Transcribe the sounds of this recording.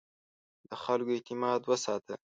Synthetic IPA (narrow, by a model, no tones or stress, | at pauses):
d̪əxalkoet̪ɪmɑd̪wəsɑt̪ə